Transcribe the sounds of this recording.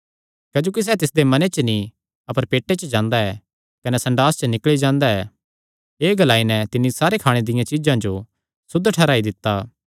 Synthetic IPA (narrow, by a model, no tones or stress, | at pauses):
kɐd͡ʒoːkis̬ɛːt̪ɪsd̪emɐnet͡ʃənĩ | ɐpəɾpeːʈːet͡ʃəd͡ʒãːnd̪aɛː | kɐnɛsɐ̃ɳɖaːst͡ʃənɪkɭid͡ʒãːnd̪aɛ | eːɡɐlaːinɛ̃t̪ɪnːisaːɾekʰaːɽ̃ed̪ɪjãt͡ʃɪd͡ʒãd͡ʒo | sʊd̪ʱːʈʰɛːɾaːid̪ɪt̪ːaː